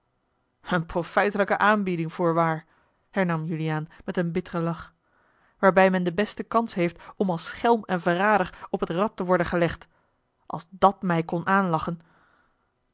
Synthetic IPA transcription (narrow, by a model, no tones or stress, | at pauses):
ənprofɛjtələkəʔaːnbidɪŋv̥ʊːɹʋaːɹ | ɦɛɹnɑmjyliaːnmɛtənbɪtərəlɑχ | ʋaːɹbɛjmɛndəbɛstəkɑnsɦejftɔmɑlˠsχɛlˠmɛnvəraːdərɔpɦətrɑtːəʋɔɹdəχəlɛχt | ʔɑ̰lˠzdɑtmɛjkɔnʔaːnlɑχən